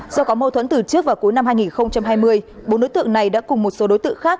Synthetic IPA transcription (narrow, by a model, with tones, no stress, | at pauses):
zɔ˧kɔ˨˦mo˧t̪ʰwə̰˧˥nt̪ɨ˨˩t͡ɕɨ˦˥ək̚vaː˨˩ku˨˦jna˧mhɦaː˧jŋi˨˩nxə˧wŋ͡mt͡ɕa˧mɦaː˧jmɨ˧əjɓo̰˨˦nɗo˨˦jt̪ɨ̰˧˨əŋna˨˩jɗa̰ː˧˥kʊ˨˩ŋ͡mmo˨˩t̚so˨˦ɗo˨˦jt̪ɨ̰˧ə˨ŋxaː˦˥k̚